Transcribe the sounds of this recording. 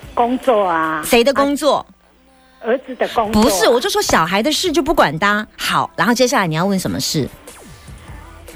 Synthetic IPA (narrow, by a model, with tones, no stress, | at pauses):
ko˥ŋt͡swɔ˥˨a˧ʂe˧˥ɪd̪ə˧kʊ˥ŋt͡swɔ˥˩ | ə˧˥t͡sɹ̩˨˩d̪ə˧ko˥ŋpu˧˥ʂɻ̩˥˩wɔ˨˩t͡ɕjo˥˧ʊʂwɔ˥ɕjɑ˨˩ʊxa˧˥ɪd̪ə˧ʂɻ̩˥˧t͡ɕjo˥˧ʊp̬u˥˩kwa˨˩nt̪a˥xɑ˨˩˦ʊa˧˥nxo˥˩ʊt͡ɕjɛ˥ɕja˥˩la˧ɪni˨˩jɑ˥˧wə˥˩nʂə˧˥nmə̰˧ʂɻ̩˥˩